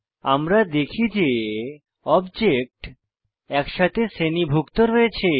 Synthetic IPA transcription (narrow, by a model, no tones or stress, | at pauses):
a̰mɾad̪ekʰid͡ʑe | ɔbd͡ʑek̚ʈ | ɛkʃat̪ʰesenibʱukt̪oɾoet͡ɕʰe